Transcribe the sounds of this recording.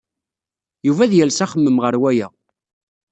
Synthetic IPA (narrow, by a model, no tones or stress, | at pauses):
juvæðjælsæχəmːəmʁəɾwæjæ̰